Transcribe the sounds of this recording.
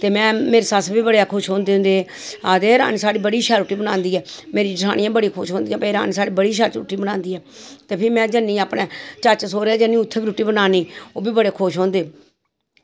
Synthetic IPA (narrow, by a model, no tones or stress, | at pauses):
t̪eːmɛ̃ːmeːɾeːsasbiːbəɽekʰʊʃɦõːnd̪eːɦʊ̃nd̪eː | aːd̪eːɾa̰ːniːsaːɽiːbəɽiːʃɛːɾuːʈiːbənãːnd̪iːɛːmeːɾid͡ʒɪsʰa̰ːɽ̃ɪjãːbəɽiːkʰʊʃɦõːnd̪ijãːpẽɾa̰ːnisaːɽiːbəɽiːʃat͡ʃɾṵːʈiːbənãːnd̪iːɛːt̪eːpʰɪɾmɛ̃ːd͡ʒənːĩːaːpɽẽːt͡ʃət͡ʃsoːɾeɛːd͡ʒənĩːʊt̪ʰːeːbiɾuːʈiːbənaːniːoːbiːbəɽeːkʰʊʃɦõːnd̪eː